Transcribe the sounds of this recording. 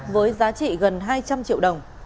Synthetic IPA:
vəː˨˦jzaː˨˦t͡ɕḭ˧˨ɣə˨˩nɦaː˧jt͡ɕa˧mt͡ɕḭ˧˨əwɗə˨˩wŋ͡m

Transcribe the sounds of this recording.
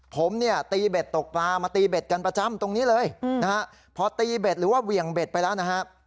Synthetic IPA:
pʰo˩˦mni˥˩ɐt̪iː˧be˨˩t̪ːo˨˩k̚paː˧maː˧t̪iː˧be˨˩t̪̚ka˧npɾa˧t͡ɕa˧˥˩mt̪o˧ŋniː˦˥lɤː˧jnna˦˥kʰa˦˥ʔ | pʰɔ˧t̪iː˧be˨˩t̪̚ɾɯː˩˦waː˥˩wi˨˩əŋbe˨˩t̪̚pa˧jlɛː˦˥wna˦˥kʰa˦˥ʔ

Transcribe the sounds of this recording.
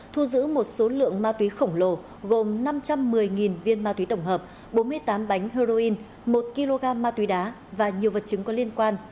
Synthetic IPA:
t̪ʰu˧zɨ̰˧˥mo˨˩t̚so˨˦lɨ̰˧˨əŋmaː˧t̪wi˨˦xə˧˩wŋ͡mlo˨˩ | ɣo˨˩mna˧mt͡ɕa˧mːɨ˨˩əjŋi˨˩nvi˧ənmaː˧t̪wi˨˦t̪ə˧˩wŋ͡mɦəː˨˩p̚ | ɓo˨˦nmɨ˧əjt̪aː˨˦mɓa˨˦jŋ̟hə˧zo˧ʔi˧n | mo˨˩t̚ki˧lo˧ɣaː˧mːaː˧t̪wi˨˦ɗaː˨˦ | vaː˨˩ɲi˨˩əwvə˨˩t̚t͡ɕɨ˨˦ŋkɔ˨˦li˧ənkwaː˧n

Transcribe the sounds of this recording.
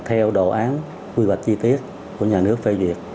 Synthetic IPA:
t̪ʰɛ˧wɗo̰˧˨˩ʔaː˨˦n | kwi˧wa˨˩jk̟̚t͡ɕi˧t̪i˦˥ət̚ | ku˧˩əɲaː˨˩nɨ˦˥ək̚fe˧vi˨˩ət̚

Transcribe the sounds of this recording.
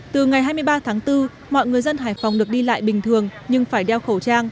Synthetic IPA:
t̪ɨ˨˩ŋa˨˩jɦaː˧jm˧əjɓaː˧t̪ʰaː˨˦ŋt̪ɨ˧ | mɔ̰˧˨jŋɨ˨˩əjzə˧nɦaː˧˩jfa˨˩wŋ͡mɗɨ˨˩ək̚ɗi˧la̰ː˧˨jɓï˨˩ŋ̟t̪ʰɨ˨˩əŋɲɨ˧ŋfaː˧˩jɗɛ˧wxə˧˩wt͡ɕaː˧ŋ

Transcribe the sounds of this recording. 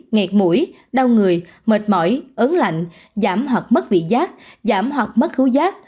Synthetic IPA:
ŋɛ˨˩k̚mṵ˧˩əj | ɗa˧wŋɨ˨˩əj | mə˨˩t̚mɔ̰˧˩˨jʔə˨˦nla̰˧˨jŋ̟ | zaː˧˩mhwa˨˩k̚mə˦˥t̚vḭ˧˨zaː˦˥k̚zaː˧˩mhwa˨˩k̚mə˦˥t̚xɨ˨˦wzaː˦˥k̚

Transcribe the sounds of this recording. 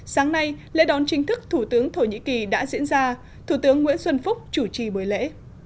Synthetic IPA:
saː˨˦ŋna˧jlḛ˧˥ɗɔ˨˩˦nt͡ɕï˨˦ŋ̟t̪ʰɨ˦˥k̚t̪ʰu˧˩t̪ɨ˨˦əŋt̪ʰo˧˩ɲḭ˧˥ki˨˩ɗa̰ː˧˥zḭ˧˥ənzaː˧ | t̪ʰu˧˩t̪ɨ˨˦əŋːwḭ˧˥ənswə˧nfʊ˦˥k͡p̚t͡ɕu˧˩t͡ɕi˨˩ɓu˨˩əjlḛ˧˥

